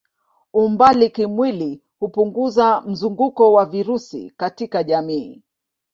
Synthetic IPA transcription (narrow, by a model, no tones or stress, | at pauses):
umbalikimwili | hupuŋɡuzam̩zuŋɡukɔwaviɾusḭkatikaʄamiː